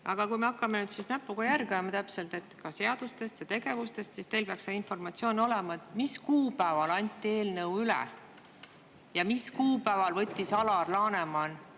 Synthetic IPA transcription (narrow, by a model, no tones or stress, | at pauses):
ʔɑɡ̥ɑkujmeɑkːɑme̞nyːd̪sisnæpːˑuɡ̥ɑjærɡemɑt̪æpse̞lt̪e̞t̪ːˑkɑse̞ɑd̪̥ust̪e̞st̪jɑt̪e̞ɡe̞vust̪e̞st̪sist̪e̞jlpeɑksɑinfo̞rmɑt̪sio̞ːno̞lemɑet̪ˑmiskuːpæevɑlɑnʲt̪ːˑie̞ːlnɤwylɛ̰ | jɑmiskuːpæevɑlvɤ̞t̪ʲːˑisɑlɑrlɑːne̞mɑn